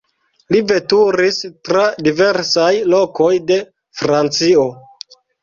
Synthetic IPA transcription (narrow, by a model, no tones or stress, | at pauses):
live̞tuɾistɾadive̞ɾsajlo̞ko̞jde̞ | fɾant͡sio̞